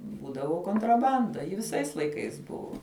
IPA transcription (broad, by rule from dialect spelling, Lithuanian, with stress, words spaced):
ˈbuːdɐʋoː koːntrɐˈbɐndɐ jɪ ʋʲɪˈsɐɪs lˠɐɪˈkɐɪs ˈbʊʋoː